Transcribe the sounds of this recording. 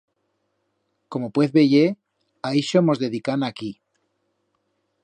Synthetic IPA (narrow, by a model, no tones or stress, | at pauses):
ko̞mopweθβeʝe | aiʃomo̞zðe̞ðikanaki